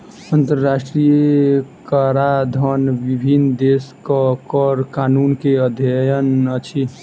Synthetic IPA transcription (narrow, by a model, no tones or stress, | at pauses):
ənt̪əɾːasʈɾijkəɾad̪ʱənʋibʱind̪eskəkəɾkanunkeəd̪ʱjəjənət͡ʃʰi